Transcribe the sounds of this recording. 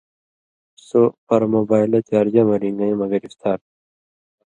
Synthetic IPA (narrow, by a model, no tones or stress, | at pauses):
sopɐɾmoːbaːjlet̪aɾd͡ʑamɐɾiŋɡɐĩmɐɡɐɾist̪ʰaːɾ